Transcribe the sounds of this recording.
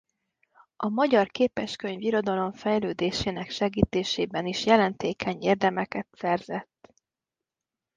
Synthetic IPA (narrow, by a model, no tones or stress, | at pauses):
ɒmɒɟɒrkeːpɛʃkøɲviɾo̞d̪ɒlo̞ɱfɛjløːd̪eːʃeːnɛkʃɛɡiːt̪eːʃeːbɛniʃjɛlɛnt̪eːkʰɛɲeːrd̪ɛmɛkɛt̪sɛrzɛt̪ː